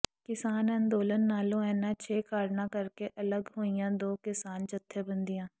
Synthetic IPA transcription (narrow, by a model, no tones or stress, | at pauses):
kɪsaːnənd̪oːlənːaːlõːɛːnãːt͡ʃʰeːkaːɾnãːkəɾkeːʔələɡɦoːijãːd̪oːkɪsaːnt͡ʃət̪ʰːeːbənd̪ijãː